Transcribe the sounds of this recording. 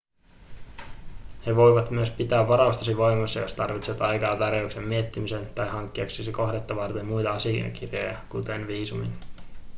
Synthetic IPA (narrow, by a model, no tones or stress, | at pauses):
he̞ʋo̞jʋɑt̪myøspit̪æːʋːɑɾɑust̪ɑsiʋo̞jmɑsːɑjo̞st̪ɑrʋit̪seɑt̪ɑjkɑːt̪ɑrjowksemmiet̪ːimise̞nt̪ɑjɦɑŋkːiɑksesiko̞hdet̪ːɑʋɑrt̪emːujt̪ɑɑsiɑ̰kirjḛjɑ̰kut̪enʋiːsumḭn